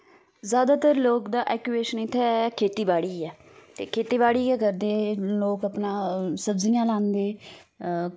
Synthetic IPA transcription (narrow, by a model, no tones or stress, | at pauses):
zjaːd̪aːt̪əɾloːkd̪aːʔɛːkjueːʃənɪt̪ʰːɛːkʰeːt̪iːbaːɽiːɛː | t̪eːkʰeːt̪iːbaːɽiːɛːkəɾd̪eːloːkəpnãːsəbzijãːlãːnd̪eː